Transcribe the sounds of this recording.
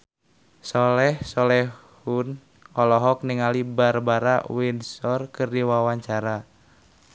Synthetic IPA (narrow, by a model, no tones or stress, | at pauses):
sɔlɛhsɔlɛhun | ɔlɔɦɔk̚niŋalibarbaɾawinsɔrkɨrdiwawaɲt͡ʃaɾa